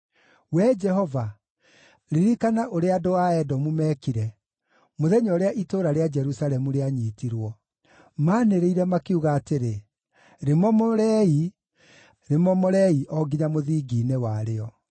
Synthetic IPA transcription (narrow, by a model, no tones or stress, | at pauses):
wɛd͡ʒɛɦɔva | ɾiɾikanaʔoɾeadoaɛdɔmumɛːkiɾɛ | moðɛɲɔɾeaʔitoːɾaɾead͡ʒɛɾusalɛmuɾeaɲiːtiɾwɔ | maːneɾeiɾɛmakeuɣaːteɾe | ɾemɔmɔɾɛi | ɾemɔmɔɾɛiʔɔɡiɲamoðiːɡiːnewaɾeɔ